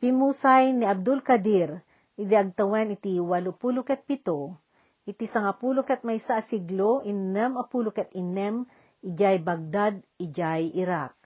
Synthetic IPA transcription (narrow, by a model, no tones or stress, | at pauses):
pimusajniab̚d̪ʊlkɐd̪iɾ | ɪd̪iɐɡ̚t̪ɐwɛnit̪iwalopulokɛt̪̚pit̪o | ʔɪt̪isɐŋapulokɛt̪̚majsaʔsiɡloʔinɛmapulokɛt̪ɪnɛm | ɪd͡ʒajbaɡ̚d̪ad̪̚ɪd͡ʒajɪɾak̚